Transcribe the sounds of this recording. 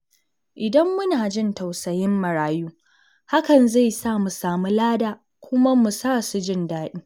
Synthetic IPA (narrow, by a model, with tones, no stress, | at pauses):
ʔɪ˨dɐ˦mːʊ˦naː˨d͡ʒɪ˦˨nta˨wsɐ˨jɪ˦mːɐ˨ɽaː˦juː˦ | ha˦kɐ˨nza˦˨jsaː˦˨mu˨saː˨mu˦laː˦daː˨ | kʷʊ˦ma˦mu˨saː˦˨su˨d͡ʒɪ˦ndaː˦ɗiː˦